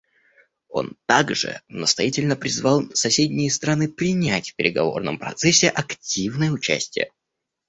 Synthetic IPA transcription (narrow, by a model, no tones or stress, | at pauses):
o̞̰nt̪aɡʐɨ̰nəst̪ɐ̰jatʲɪlʲnəpɾʲɪzvɑlˠsɐsʲedʲnʲɪjəst̪ɾanɨpɾʲɪnʲætʲfʲpʲɪɾʲɪɡɐvo̞̰rnə̰mpɾɐt̪sɛsʲːɪʔɐktʲivnəjəʊt͡ɕæ̰sʲtʲɪjə̰